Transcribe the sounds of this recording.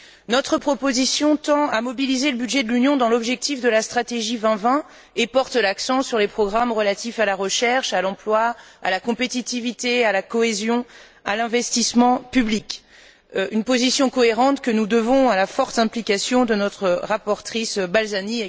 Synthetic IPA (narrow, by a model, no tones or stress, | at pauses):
nɔt̪χəpχɔpozisjɔ̃t̪ɑ̃amɔbilizeləbyd̪ʒɛd̪əlynjɔ̃d̪ɑ̃lɔbʒɛk̚t̪ifd̪əlast̪χat̪eʒivɛ̃vɛ̃ | epɔʁt̪laksɑ̃syʁlepχɔɡʁamʁəlat̪ifalaʁəʃɛʁʃalɑ̃plwaa̰lakɔ̃pet̪it̪ivit̪ealakɔezjɔ̃ | alɛ̃vɛst̪ismɑ̃pyblik | ynpozisjɔ̃kɔeʁɑ̃t̪kənud̪əvɔ̃alafɔʁt̪ɛ̃plikʲasjɔ̃d̪ənɔt̪χəʁapɔʁt̪χisbalzani